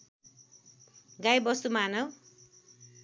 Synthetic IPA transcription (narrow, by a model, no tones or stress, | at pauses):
ɡajbʌst̪umanʌw